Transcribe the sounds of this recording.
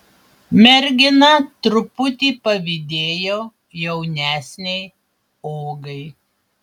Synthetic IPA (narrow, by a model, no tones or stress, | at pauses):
mʲɛɾʲɡʲɪnɐt̪ɾʊpʊt̪ʲiːpɐʋʲɪd̪ʲeːjoː | jɛʊnʲæːsʲnʲɛɪ | oːɡɐɪ